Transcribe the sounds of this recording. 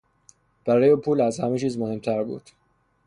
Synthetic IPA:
b̥æɾɒːjepʰuːlæzhæmet͡ʃʰiːzmohe̞mt̪ʰæɾbṵːd̪̥

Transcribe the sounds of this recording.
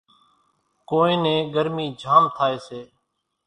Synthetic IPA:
koːẽːnẽːɡəɾmiːd͡ʒʱaːmt̪ʰaːeːseː

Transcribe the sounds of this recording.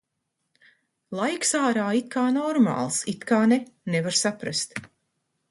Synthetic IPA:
lˠajksaːɾaːit̪̚kʰaːnɔɾma̰ːlˠsit̪kaːnenevaɾsapɾast̪

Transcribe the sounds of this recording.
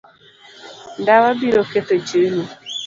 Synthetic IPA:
ndawabiɾoket̪et͡ʃenu

